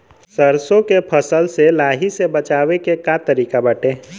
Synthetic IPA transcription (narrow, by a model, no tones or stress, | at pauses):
səɾsõkepʰəsəlselaːɦisebət͡ʃaːwekekat̪əɾiːkabəʈeː